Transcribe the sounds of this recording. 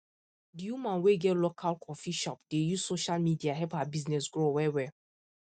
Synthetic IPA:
dijumãnweɡɛtlokʰalkʰɔfiʃɔp̚d̥ejuzsoʃalmidiaɦɛphabiznɛsɡɹowɛwɛ

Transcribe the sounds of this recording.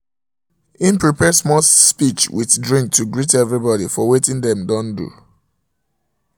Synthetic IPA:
ĩnpɹipɛsmɔspit͡ʃwʔḭθdɹĩŋk̚tuɡɹitɛvɹibɔdifɔwetĩŋdɛ̃mdɔ̃ndṵ

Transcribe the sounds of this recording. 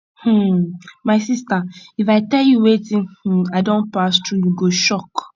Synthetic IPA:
hm̩maɪsistaifaɪtɛljuwetĩaɪdõnpastɹujuɡoʃɔk

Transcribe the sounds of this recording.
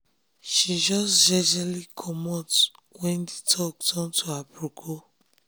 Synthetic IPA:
ʃid͡ʒɔsd͡ʒɛd͡ʒɛlikʰɔmɔt | wɛ̃nditʰɔk̚tʰɔ̃ntʰuapɾukʰo

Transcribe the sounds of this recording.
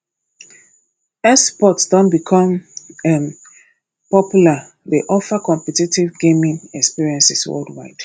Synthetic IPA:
ɛspɔtsdɔ̃nbikʰɔ̃mɛm | pɔpjula | ðeʔɔfakɔ̃mpɛtitivɡẽmĩŋɛkspiɹiɛ̃nsiswɛ̰ldwa̰ɪd̥

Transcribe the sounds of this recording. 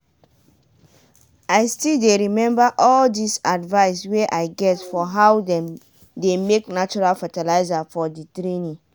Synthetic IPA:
aɪstildeɹimɛ̃mbaʔɔldisadvaɪsweʔaɪɡɛtfɔɦawdɛ̃m | demeknat͡ʃuɹalfatɛlaɪzafɔditɾenĩ

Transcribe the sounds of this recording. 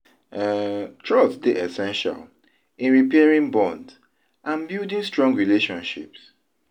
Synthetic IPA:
tʰɹɔtsdeʔɛsɛ̃nʃa̰l | ĩnɹipɛaɹĩŋbɔ̃nd | ʔãnbjildĩŋstɹɔ̃ŋɡɹileʃɔ̃nʃḭps

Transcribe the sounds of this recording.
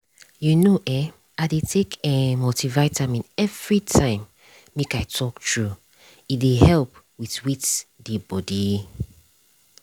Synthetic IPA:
junoʔɛ | aɪdetʰekʰɛmotivaɪtʰamĩnɛvɹitʰãɪ̃mː | ekaɪtʰɔktʰɹu | idehɛlp | witwitdebɔdi

